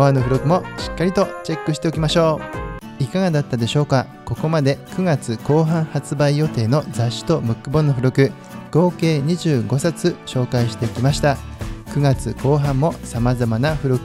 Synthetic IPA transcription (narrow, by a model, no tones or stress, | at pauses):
anːo̞ɸɯ̟ɾokɯ̟mo̞ɕi̥kːaɾʲit̪o̞t͡ɕe̞kːɯ̟ɕi̥t̪e̞o̞kʲimaɕo̞ː | ikaɡad̪at̪ːad̪e̞ɕo̞ːka | ko̞ko̞mad̪e̞kɯ̟ɡat͡sɨko̞ːɦãɰ̃hat͡sɨbaijo̞t̪e̞ːno̞zaɕːi̥t̪o̞mɯ̟kːɯ̟bo̞nːoɸɯ̟ɾokɯ̟ | ɡ̥o̞ːke̞ːɲ̟iʑɨːɡo̞sat͡sɨɕo̞ːkaiɕi̥t̪e̞ikʲimaɕi̥t̪a | kɯ̟ɡat͡sɨko̞ːɦãmːo̞samazamanaɸɯ̟ɾokɯ